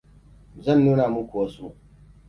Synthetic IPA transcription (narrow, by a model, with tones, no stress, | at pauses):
zɐ˦˨nːuː˦naː˨mu˦kʷʊ˨wɐ˦suː˦